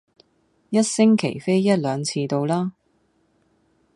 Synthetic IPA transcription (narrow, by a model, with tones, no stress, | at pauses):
jɐ˥t̚sɪ˥ŋkʰe˨˩jfe˥jːɐ˥t̚lœː˨˧ŋt͡sʰiː˧t̪o˧wlaː˥